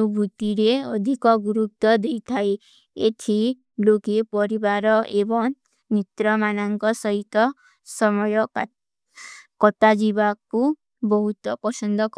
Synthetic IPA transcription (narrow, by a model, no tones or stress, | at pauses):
ubʱut̪iɾeɔd̪ʱikɔɡuɾuk̚t̪ɔd̪ejt̪ʰaj | et̪ʰi | lokepɔɾibaɾɔʔebɔŋ | nit̪ɾɔmanɔŋkɔsɔɦit̪ɔ | sɔmɔjɔ | kɔt̪ad͡ʒibaku | bɔɦut̪ɔpɔsɔnd̪ɔk